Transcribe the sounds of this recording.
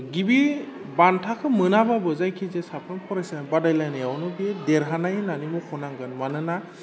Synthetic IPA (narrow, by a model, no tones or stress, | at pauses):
ɡibi | bantʰakʰɯmɯnababɯzajkʰizesapʰɾɔmpʰɔɾasbadajlajnɯjawnɔbiɛdɛɾɦanajnanimɔkʰɔnaŋɡɯnmanɯna